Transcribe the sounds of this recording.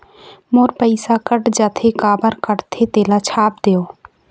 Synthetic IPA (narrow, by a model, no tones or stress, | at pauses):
moːɾpəɪsakəʈd͡ʒaːt̪ʰekaːbəɾkəʈt̪ʰet̪eːlat͡ʃʰaːp̚d̪eːoː